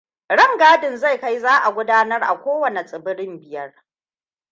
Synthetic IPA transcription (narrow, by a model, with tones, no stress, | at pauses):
ɽɐ˦ŋɡaː˦dɪ˨nza˦˨jka˦jzaː˦ʔa˨ɡʷʊ˦daː˦nɐ˦rʔa̰˨kʷoː˦wɐ˨ne˨t͡sʼɪ˨bɪ˦ɽɪ˦mbɪ˨jɐ˦r